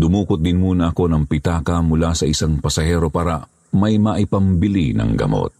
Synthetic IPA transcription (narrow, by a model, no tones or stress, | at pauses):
d̪ʊmuːkʊt̪̚d̪ɪnmuːnɐʔɐko̞nɐŋpɪt̪aːkɐmʊlasɐʔɪsaŋpɐsɐhɛːɾo̞paːɾɐ | mɐjmɐʔɪpɐmbɪlinɐ̰ŋɡɐ̰mo̰t̪̚